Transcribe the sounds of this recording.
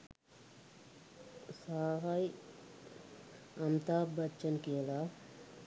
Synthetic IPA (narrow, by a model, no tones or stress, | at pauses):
saɦaj | ɐmt̪aːbətːt͡ʃənkijəla